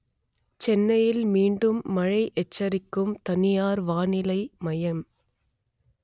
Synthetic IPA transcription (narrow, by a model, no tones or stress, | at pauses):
t͡ʃɛnːɐjɪlmiːɳɖɯmːɐɻɐɪʔɛt͡ʃːɐɾɪkːɯmt̪ɐnɪjaːɾʋaːnɪlɐɪmɐjɐm